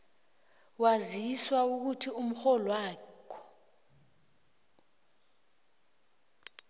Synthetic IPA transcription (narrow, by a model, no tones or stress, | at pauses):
waziswauk̬utʰium̩xɔlwaːkʰɔ̥